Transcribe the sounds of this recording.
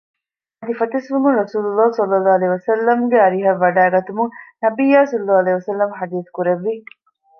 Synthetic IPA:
ɐd̪ifɐt̪ɐsʋumunɾɐsuːlulːɑːsɐlːɐlːaːɐlɐɦiʋɐsɐlːɐmɡeɐɾiɦɐʋːɐɖaːɡɐt̪umuŋnɐbijːaːsɐlːaːɐlɐɦiʋɐsɐlːɐmħɐd̪iːθkuɾeʋːi

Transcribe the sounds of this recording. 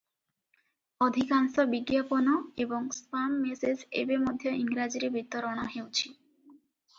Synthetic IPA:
od̪ʱikaŋʃobiɡːjaponoeboŋspamːesesḛbemod̪ʱjoiŋɾad͡ʑiɾebit̪ːoɾoɽ̃aɦewt͡ɕʰi

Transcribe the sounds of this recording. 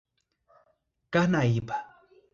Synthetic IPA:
kanajipḁ

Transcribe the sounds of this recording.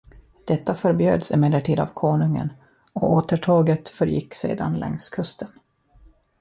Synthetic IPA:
d̪̥ɛt̪ːafœɾbjø̰ːd̪sɪmɛlːəʈʰiːd̪a̰vkʰoːɳɵŋə̰n | ɔoːt̪əʈʰɑːɡət̪fœɾjɪ̰kːsḛːd̪a̰nlʔɛ̰ŋskʰɵst̪ən

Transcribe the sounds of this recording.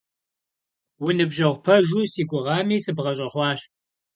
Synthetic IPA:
wʊnɨbʒɐʁʷpʰɐʒusiːɡʷʊʁɑːmiːsɨbʁɐɕʼɪχʷɑːɕ

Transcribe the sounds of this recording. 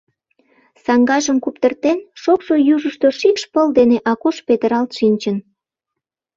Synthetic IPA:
sɑŋɡɑʒəmkupt̪ərt̪enʃokʃojuʒəʃt̪oʃikʃpəld̪eneʔɑkuʃpet̪əɾɑlt̪ʃinʲt͡ɕən

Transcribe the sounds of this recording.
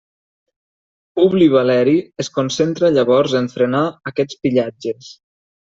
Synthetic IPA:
uβliβalɛɾieskonsent̪ɾaʎaβɔɾzeɱfɾenaːkɛt͡spiʎad͡ʒes

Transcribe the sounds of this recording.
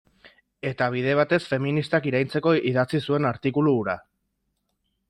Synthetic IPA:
e̞t̪aβ̞iðe̞β̞at̪e̞sfe̞minist̪akiɾajnt͡se̞ko̞iðat͡sisue̞naɾt̪ikuluːɾa

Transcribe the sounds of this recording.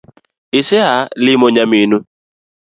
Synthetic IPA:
ɪsealɪmoɲaminu

